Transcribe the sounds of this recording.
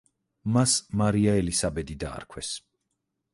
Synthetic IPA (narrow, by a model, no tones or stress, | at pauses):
masmaɾiaɛlisabɛd̪id̪a̰ːɾkʰwɛs